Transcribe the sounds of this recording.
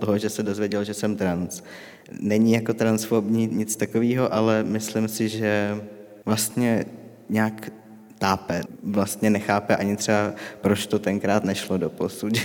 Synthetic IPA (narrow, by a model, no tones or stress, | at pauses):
t̪oɦoʒɛsɛdo̞zvjɛɟɛlʒɛsɛmt̪ɾans | nɛɲɪjako̞t̪ɾansfoɾbɲiːɲɪt͡st̪akoviːɦo̞ʔalɛmɪslɪmsɪʒɛ | vlast̪ɲɛ | ɲaːk | t̪aːpɛvlast̪ɲɛnɛxaːpɛʔaɲɪt̪r̥ɛbapɾot͡ʃt̪ot̪ɛŋkɾaːt̪nɛʃlodoposuc